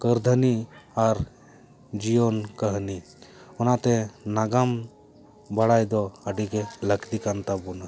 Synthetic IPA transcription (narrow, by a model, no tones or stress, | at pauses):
kəɾd̪ʱəniaɾ | d͡ʒijonkəɦni | ʊnat̪enaɡam | bəɽajd̪oəɖikeləkʰd̪ikant̪abuna